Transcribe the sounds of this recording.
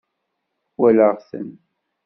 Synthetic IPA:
wæləʁθə̰n

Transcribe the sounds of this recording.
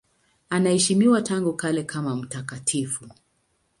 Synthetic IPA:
anahɛʃimiwataŋɡukalɛkʰamam̩takatʰifu

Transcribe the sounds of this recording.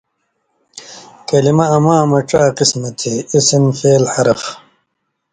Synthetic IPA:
kɐlimɐɐmaːmɐʈ͡ʂaːqismɐt̪ʰeisinfeːlħɐɾɐf

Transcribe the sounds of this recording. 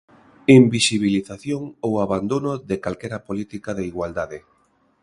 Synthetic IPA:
imbisiβiliθaθjoŋowaβand̪onoðekalkɛɾapolit̪ikaðeiɣwald̪aðɪ

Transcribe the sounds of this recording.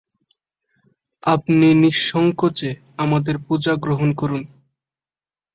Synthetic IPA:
apniniʃːɔŋkot͡ɕe | amad̪eɾpud͡ʑaɡɾoɦonkoɾun

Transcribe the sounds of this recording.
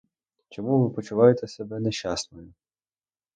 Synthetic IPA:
t͡ʃɔmuʋɪpɔt͡ʃʊʋɑjet̪ɛsɛbɛneʃasnɔjʊ

